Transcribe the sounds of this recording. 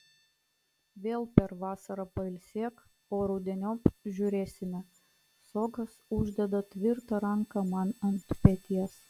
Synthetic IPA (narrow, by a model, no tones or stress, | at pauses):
ʋʲeːlˠpʲɛɾʋɑːsɐɾɐpɐɪlʲsʲeːk | oːɾɐʊd̪ʲɛnʲoːpʒʲʊɾʲeːsʲɪmʲɛ | soːɡɐsʊʒʲd̪ʲɛd̪ɐt̪ʲʋʲɪɾt̪ɐɾɐŋkɐmɐnɐnt̪pʲɛt̪ʲiɛs